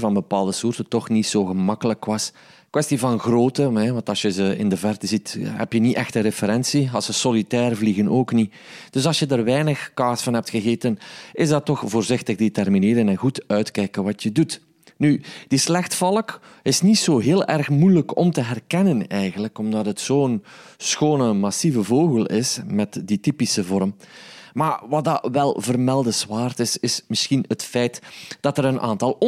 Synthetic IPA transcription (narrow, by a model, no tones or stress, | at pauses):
vɑnbəpaːlˠdəsuːrtətɔxnitsoːɣəmɑkələkwɑs | kwɛstivɑnɣroːtəɛʋɑntɑsjəzəɪ̰ndəvɛrtəzitɦɛ̰pjəniʔɛxtəɾefəɾɛnsiɑlˠsəsolitɛːrvliɣənoːkni | d̥ɵsɑlˠsjədaːrʋɛjnəxkaːsfɑnɦɛp̚txəɣeːtənɪzdɑtːɔxvoːrzɪxtəɣdetɛrmineːɾənɛnɣutœɥtkɛjkənʋɑtjədut | nyd̥islɛxtfɑlˠəkɪsnitsoːɦeːlˠʔɛrxmujləkʰɔ̰mtəɦɛrkɛnənɛjɣənləkɔmdɑtɦətsoːnsxoːnəmɑsivəvoːɣəlˠɪsmɛtditipisəvɔɾm | maːrʋɑt̚dɑːʋɛlˠvərmɛlˠdəzwaːrtɪsɪsmɪsxinətfɛjtd̥ɑtəɾənʔa̰ːntɑlˠ